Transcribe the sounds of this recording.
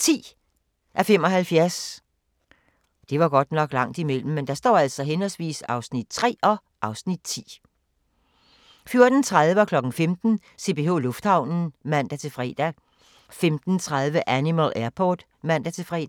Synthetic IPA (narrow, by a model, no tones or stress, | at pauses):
t͡sʰḭː | ʔæfemɒ̽ɦælfjæɐs | d̥e̝ʋɑ̈ɡ̥ɒ̽d̥nɒ̽ɡ̥lɑ̈ŋ̰d̥imel̰m̩ːend̥ɑ̈sd̥ɒ̰ːæl̰sɒ̽ɦenɒlsʋḭːsɑ̈ʊsnid̥̚t͡sʰʁɛ̰ːʔɒ̽ | ʔɑ̈ʊsnid̥̚t͡sʰḭː | fjo̝ɐd̥n̩t͡sʰʁað̞ˠʋəɒ̽kʰlɒ̽ɡ̥n̩femd̥n̩ | se̝b̥e̝o̝ːlɔ̽fd̥hɑ̈ʊ̰nn̩mæn̰d̥æt͡sʰe̝fʁɛ̰ːd̥æ | femd̥n̩t͡sʰʁað̞ˠʋəʔænimælæɐpʰɒ̰ːd̥ | mæn̰d̥æt͡sʰe̝fʁɛ̰̥ː